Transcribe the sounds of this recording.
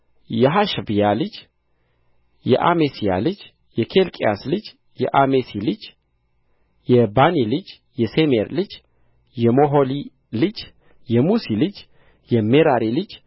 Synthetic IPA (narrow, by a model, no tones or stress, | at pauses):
jɛɦaʃbijalɨd͡ʒ | jɛ̰ʔamesija̰lɨd͡ʒ | jɛkʰelkʼiaslɨd͡ʒ | jɛ̰ʔamesilɨd͡ʒ | jɛbanilɨd͡ʒ | jɛsemeɾlɨd͡ʒ | jɛmoɦoli | lɨd͡ʒ | jɛmusilɨd͡ʒ | jɛmeɾaɾilɨd͡ʒ